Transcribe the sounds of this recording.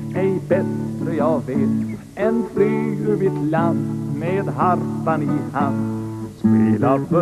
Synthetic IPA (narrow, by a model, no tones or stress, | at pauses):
ɛjbɛsɾəjɑːɡveːt̪ | ɛnfɾyːʉvɪt̪land̪meːd̪ɦaɾfaniːkhanspeːlaɾbœ